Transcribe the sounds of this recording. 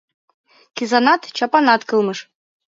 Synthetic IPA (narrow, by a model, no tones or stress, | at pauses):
kizɑnɑt̪t͡ɕɑpɑnɑt̪kɤlˠmɤʃ